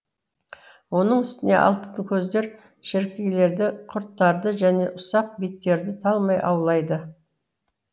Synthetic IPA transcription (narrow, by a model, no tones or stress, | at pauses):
wo̞nəɴɪst̪ɪne̞̰ʔɑ̰lˠt̪ət̪əkʲʰɵzd̪e̞ɾ | ʃɪɾkʲeɡʲle̞ɾd̪ɪqʰʊɾt̪ːɑɾd̪əʒæne̞ʔʊsɑq̚bit̪ːe̞ɾd̪ɪt̪ʰɑlˠmɑjʔɑ̰wlˠɑjd̪ə